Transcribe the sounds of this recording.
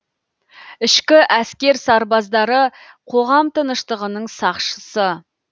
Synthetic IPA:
ɪʃkʲɪʔæskʲe̞ɾsɑɾbɑzd̪ɑɾə | qʰo̞ʁɑmt̪ʰənəʃt̪əʁənəɴsɑqʃəsə

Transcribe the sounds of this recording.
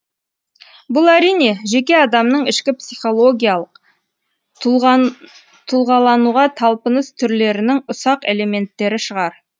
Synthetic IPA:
bʊlˠæɾijne̞ʒe̞kʲe̞ɑd̪ɑmnəɴɪʃkʲɪpsiχo̞lˠo̞ɡʲijalˠəq | t̪ʰʊlˠʁɑlˠɑnuʁɑt̪ʰɑlˠpənəst̪ʰʏɾle̞ɾɪnɪŋʊsɑqe̞le̞me̞nt̪ːe̞ɾɪʃəʁɑɾ

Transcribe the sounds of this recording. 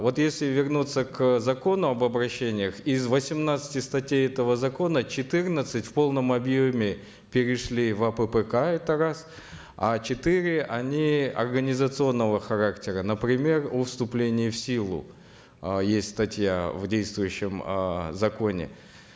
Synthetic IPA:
vo̞t̪jesʲlʲɪvʲɪrnut̪səkzɐko̞nʊɐbəbɾɐɕːenʲɪjəxɪzvəsʲɪmnat̪sɨ̥tʲɪst̪ɐtʲejɛt̪əvəzɐko̞nət͡ɕɪt̪ɨrnət̪sɨtʲfʲpo̞lˠnəmɐbjomʲɪ | pʲɪɾʲɪʂlʲivɐpəpɛkaɛt̪əɾas | at͡ɕɪt̪ɨɾʲɪʔɐ̰nʲiɐ̰rɡənʲɪzət̪sɨo̞nːəvəxɐɾaktʲɪɾənəpɾʲɪmʲe̞rufst̪ʊplʲenʲɪɪfsʲilˠʊ̰ | jesʲtʲst̪ɐtʲja̰vdʲejst̪vʊjʉɕːɪmzɐko̞nʲɪ̰

